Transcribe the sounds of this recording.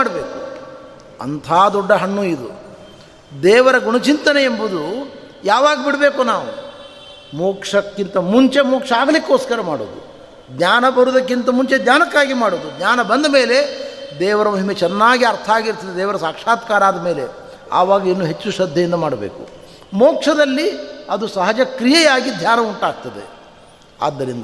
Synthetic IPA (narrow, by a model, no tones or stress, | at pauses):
aɽɐbeːku | ɐ̰nt̪ʰaːd̪ɔɖːɐɦɐɳːuid̪ṵ | d̪ɛːʋɐɾɐɡuɳɐt͡ʃint̪ɐneembud̪u | jaːʋaːɡɐbiɽɐbe̞ːkunaːʋu | moːkʂɐkːint̪ɐmuɲt͡ʃe̞moːkʂɐaːɡɐlikːoːskɐɾɐmaːɽo̰ːd̪u | ɡ̪ɲaːnɐbɐɾud̪ɐkːint̪ɐmuɲt͡ʃed̪ɲaːnɐkːaːɡimaːɽoːd̪uɡɲaːnɐbɐnd̪ɐmeːle̞d̪ɛːʋɐɾɐmɐɦimet͡ʃɛnːaːɡiɐɾt̪ʰɐaːɡiɾt̪ɐd̪ed̪ɛːʋɐɾɐsaːkʂaːt̪kaːɾaːd̪ɐmeːle̞ | a̰ːʋaːɡɐinːuːɦet͡ʃːuʃɐd̪ʱːjɐjind̪ɐmaːɽɐbḛːkṵ | moːkʂɐd̪ɐlːiɐd̪usɐɦɐd͡ʒɐkɾijɛjaːɡid̪ʱjaːnɐuɳʈaːɡ̚t̪ɐd̪e | a̰ːd̪ːɐɾind̪ɐ